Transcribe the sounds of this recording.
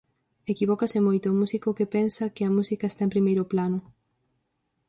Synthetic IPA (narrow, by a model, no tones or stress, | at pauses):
ekiβɔkasɪmojt̪ʊːmusikokepensɐkɪɐmusikɐest̪aẽmpɾimejɾʊplanʊ